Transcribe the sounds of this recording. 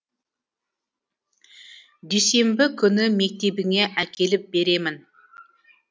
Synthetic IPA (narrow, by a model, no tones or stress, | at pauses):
d̪ejse̞mbɪkʲʰʏnɪme̞k̚t̪e̞bɪŋe̞ʔækʲe̞lɪp̚be̞ɾe̞mɪn